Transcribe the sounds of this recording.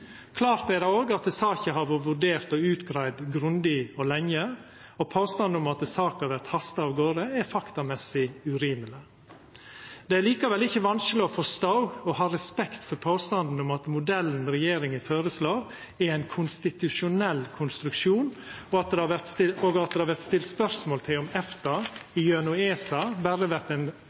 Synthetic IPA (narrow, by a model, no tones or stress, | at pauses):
kʰlɑːɾt̪æɾd̪ɛoːɡɑt̪sɑːçəhɑɾʋoʋʉɖeːɾt̪ɔʉːt̪ɡɾæɪd̪ɡɾʉnd̪ɪɔlɛŋə | ɔpʰoːst̪ɑnd̪ʊmɑt̪̚sɑːkhɑɾʋæɾt̪hɑst̪ɑɑʋɡoːɾəɛɾfɑkt̪ɑmɛsɪʉɾiːmələ | d̪ɛæliːkɑʋɛlɪçːəʋɑnsklɪɔfɔːst̪ɑʊɡɔhɑːɾɛspɛkt̪fɔɾpʰoːst̪ɑnd̪n̩ʊmɑt̪mʊd̪ɛlːn̩ɾɛjeːɾɪŋəføːɾəsloːɾ | ɛɾæɪnkʰʊnst̪ɪt̪ʉʂʊnɛlːkʰʊnst̪ɾʉkʂuːnɔɑt̪̚d̪ɛhɑʋæɾt̪st̪ɪoːɡɑt̪̚d̪ɛhɑɾʋæɾt̪st̪ɪlt̪spœɾsmoːlt̪ʰɪlɔmɛft̪ɑɪjʉɛnʉeːsɑbæɾəʋæɾt̪æɪn